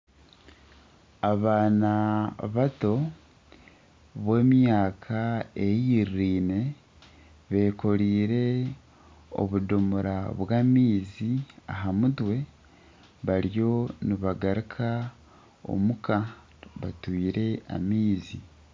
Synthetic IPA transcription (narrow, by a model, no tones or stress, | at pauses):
aβaːnaβato̞ | βwe̞ːmjaːkʰae̞jiɾɾiːne̞ | βe̞ːko̞ɾiːɾe̞ | o̞̰βudomuɾaβwaːmiːzia̰ɦamudwe̞ | βaɾjo̞niβaɡaɾikʰa | o̞̰muka | βatwiːɾe̞a̰miːzi